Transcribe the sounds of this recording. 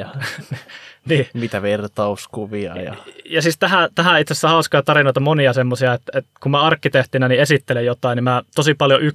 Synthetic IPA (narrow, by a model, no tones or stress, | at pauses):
ɑ | niːmit̪æʋert̪ɑuskuʋiɑ̰jɑ̰jɑsist̪æhæt̪æhæit̪sesːæhɑˑuskɑjt̪ɑrinoˑit̪ɑmoniɑsemːosiɑet̪et̪kummæɑrkːit̪eht̪inæniesit̪ːelejjot̪ɑˑinimæt̪osipɑljoʔy